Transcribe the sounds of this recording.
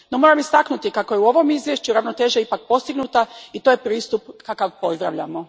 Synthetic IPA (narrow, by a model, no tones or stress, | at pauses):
no̞mo̞ɾamist̪aknut̪ikakojeuo̞ʋo̞mizʋje̞ʃt͡ɕuɾaʋno̞t̪e̞ːʒiaipak̚po̞st̪iɡnut̪ait̪oːjepɾiːst̪upkakaʋpo̞zd̪ɾa̰ʋʎa̰mo̞